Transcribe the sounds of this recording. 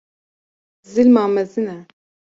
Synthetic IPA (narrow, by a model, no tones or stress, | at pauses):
zilmaːmɛzinɛ